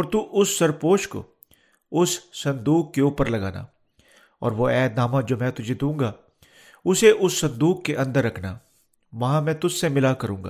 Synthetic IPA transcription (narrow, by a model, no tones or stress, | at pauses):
ɔːɾt̪uʔʊsːəɾpoːʃko̰ | ʊsːɐ̃nd̪uːkːeuːpəɾlɐɡa̰ːna̰ː | ɔ̰ːɾʋoːɛːd̪aːmãd͡ʒoːmɛ̃ːt̪ʊd͡ʒʱed̪ũːŋɡaː | ʊseʔʊsːɐ̃nd̪uːkːeʔɐ̃nd̪əɾːɐkʰnaː | ʋɐɦãːmɛ̃ːt̪ʊssemɪlakəɾṵ̃ːŋɡa̰ː